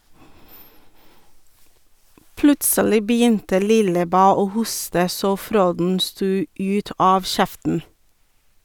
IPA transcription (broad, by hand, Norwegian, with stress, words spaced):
ˈplʉtsəlɪ bəˈjʏntə ˈlɪləˌbæː ˈoː ˈhʊstə ˈsoː ˈfɾoːdn̩ ˈstuː ˈʉːt ˈɑːʋ ˈʃɛftn̩